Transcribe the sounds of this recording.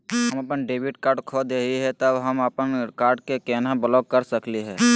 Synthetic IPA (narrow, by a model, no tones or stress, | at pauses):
ɦəməpənɖeːbɪʈkaːɾɖkʰod̪eːiɦɛt̪əbɦəməpənkaːɾɖkekɛːnãbəlɔːk̚kəɾsəkliɦɛː